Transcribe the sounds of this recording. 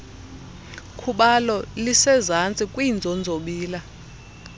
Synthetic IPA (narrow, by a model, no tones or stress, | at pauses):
kʰuɓalɔlisɛzant͡sʼikʼwiːnd͡zʱɔnd͡zʱoɓiːla